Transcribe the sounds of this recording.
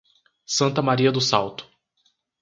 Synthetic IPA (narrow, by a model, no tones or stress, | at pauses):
sɐ̃nt̪ɐmaɾiɐd̪ʊsawt̪ʊ̥